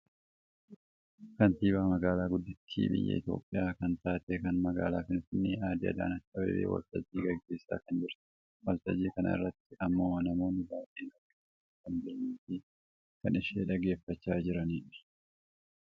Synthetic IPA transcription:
kɐnt̪iːbaːmɐɡaːlaːɡʊd̪ːɪt̪ʰːḭːbɪ̰jːɛ̰ʔɪ̰t̪jo̞̰ːpʼːɪjaːkɐnt̪aːt̪eːkɐnmɐɡa̰ːlaːfɪnfɪnːɪaːd̪iɐ̰d̪a̰ːnɐkʼːɐbḛːbḛːwɐ̰lt̪ɐd͡ʒːiːɡɐɡːe̞ːsːa̰ːkɐnd͡ʒɪɾt̪ɪ̥ | wɐlt̪ɐd͡ʒiːkɐnɐ̰ɪ̰rːɐt̪ːɪʔɐmːoːnɐmo̞ːnɪbaːʔeːnɔkːɛ | kɐmb̪eːɲːiːt̪iː | kɐnɪʃeːᶑɐɡe̞ːfːɐt͡ʃːaːd͡ʒɪɾɐniːᶑɪ̥

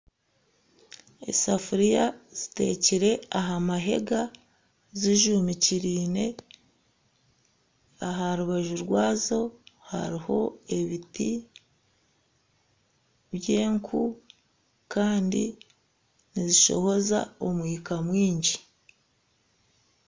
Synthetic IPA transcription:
e̞̰safuɾijaz̥ite̞̰ːciɾe̞aɦamaɦe̞̰ɡa | ziʒumiciɾiːne̞ | aɦaɾuβaʒuɾɡwaːzo̞ha̰ɾiho̞̰e̞βiti | βje̞ːŋkʰu | kaːndḭ | niziʃo̞̰ho̞za̰omwiːkamwiːɲɟi

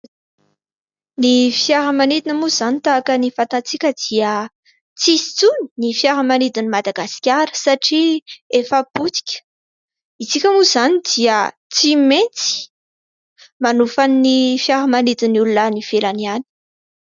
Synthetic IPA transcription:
nifjaɾəmanid̪inəmuzanit̪aːkənifãnt̪at͡sikʲəd̪iə | t͡sisi̥t͡suni̥nifjaɾəmanid̪inimad̪aɡaskʲaɾə̥saʈ͡ʂiefəput͡si̥kʲə̥ | it͡sikʲəmuz̥anid̪iə | t͡siment͡si̥ | manufannifjaɾəmanid̪inulunanifelaniani̥

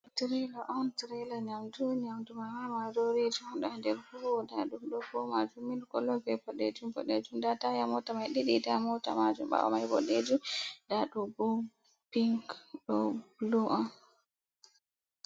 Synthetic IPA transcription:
tɾɛlaʔɔntɾɛlaɲamduɲamdumajwamadɔɾed͡ʒuɗɔndɛɾfuɾɔdaɗumɗɔkɔmad͡ʒuminkɔlɔɡɛbɔɗed͡ʒumbɔ̰ɗed͡ʒumdatajamɔtamajɗiɗidamɔta̰mad͡ʒṵmɓa̰wa̰majbɔ̰ɗed͡ʒumdaɗɔɡu | piŋɡɗɔbluʔɔn

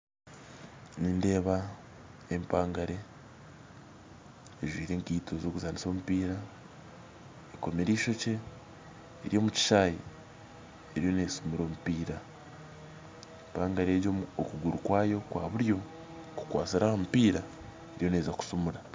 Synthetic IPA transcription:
niːnde̞ːβa | empaːŋɡaɾe̞ | ʒwiːɾe̞ːŋkiːtʰo̞zo̞ːkuzaːndiso̞ːmupiːɾa | eko̞me̞ɾiːʃo̞ce̞̰ː | ɾijo̞ːmuci̥ʃaːjḛ | eɾijo̞ne̞ːsumuɾo̞ːmupiːɾa | empaːŋɡaɾe̞ːjookuɡuɾukwaːjo̞kwʔa̰ːβuɾjo̞ | ku̥kwa̰ːsiɾahomupiːɾa | e̞ɾijo̞ne̞ːzaku̥sumuɾa

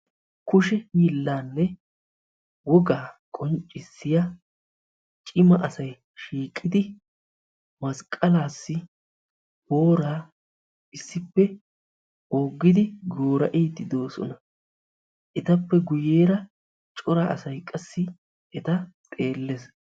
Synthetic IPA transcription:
kʊʃɛhiːlːaːnːɛ | wɔɡaːkʼɔnt͡ʃʼːɪsːɪjɐ | t͡ʃʼɪmɐʔɐsɐj | ʃiːkʼːɪd̪ɪ | mɐskʼːɐlaːsːɪ | boːɾaː | ɪsːɪpːɛ | oːɡːɪd̪ɪɡo̞ːɾɐʔeːt̪ːɪd̪oːsɔ̰nɐ | ʔɛt̪ɐpːɛɡʊjeːɾɐ | t͡ʃʼɔɾaʔɐ̰sɐjkʼɐsːɪ | ɛt̪ɐt̪ʼe̞ːlːes

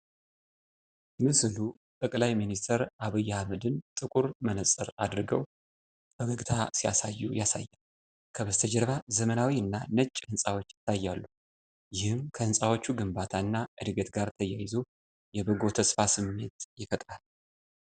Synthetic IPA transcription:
mɨslu | t̪ʼəkʼlajminist̪ʰəɾʔaβɨjːahaməd̪ɨnt̪ʼɨkʼuɾmənəsʼəɾad̪ɾɨɡəw | bəɡəɡt̪ʰasija̰sajːṵjasa̰jːal | kʰəβəst̪ʰəd͡ʒɛɾβazəmənawiɨnːanət͡ʃʼːɨnsʼawot͡ʃːɪt̪ʰːajːalːu | jɪhɨmkʰəɨnsʼawo̞t͡ʃːuɡɨmbat̪ʰaɨnːaʔɨd̪ɡət̪ɡaɾt̪ʰəjajɪzo̞ | jɛbɨɡo̞t̪ʰəsfasɨmːe̞̰t̪jɪfət̪ʼɾal

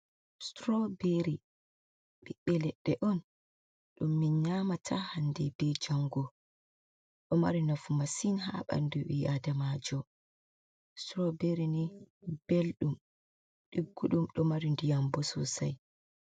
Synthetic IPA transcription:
stɾɔbeɾi | ɓiɓːɛlɛɗːɛʔɔn | ɗumːiɲamatʰahandɛbɛd͡ʒaŋɡɔ | ɗɔma̰ɾinafumasinɦa̰ɓa̰nduwiʔadamad͡ʒɔ | stɾɔbeɾinib̥elɗum | ɗiɡːuɗumɗɔmaɾindijambɔsɔ̰saj

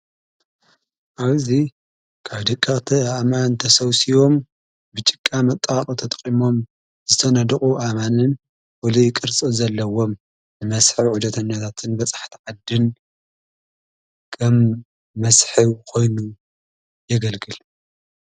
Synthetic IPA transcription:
ʔaβzi | kʰaβd̪ɨkʼːɐχʼt̪ʰiamant̪ʰɐsɐwsiβo̞m | bɨt͡ʃʼɨkʼːamɐt̪ʼaqʼut̪ʰɐt̪ʼɐqʼimo̞m | zɨt̪ʰɐnɐd̪ɨχʼuʔamanɨn | wɔlɐjɪkʼɨɾt͡sʼɨlzɐlːɐwo̞m | nɨmɐsħiwʕud̪ɐt̪ʰɐnːɐt̪ʰat̪ʰɨnbɐsʼḁħt̪ʰiʕad̪ɨn | kʰɐmː | ɐsħiβkʰo̞jnu | jɛɡɐlɡɨl

